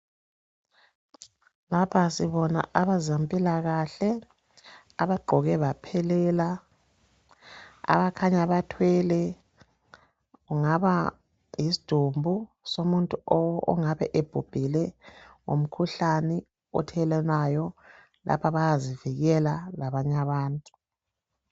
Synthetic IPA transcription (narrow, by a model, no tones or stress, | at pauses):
lapʰasiβɔna̰ʔaβazampʼilaɣaɬɛ | aβaɡ͡ǃʱɔɣɛβapʰɛlɛla | a̰βakʰaɲaβatʰwɛlɛ | uŋaβa | jisi̥d̥ʱumbʱu | somuntʼuɔɔ̰ŋaβɛʔeb̥ʱub̥ʱilɛŋo̰m̩kʰuɬanɛ | ɔ̰tʰɛlɛnajɔ | la̰pʰaβajaziviɣɛlalaβaɲaβaːntʼu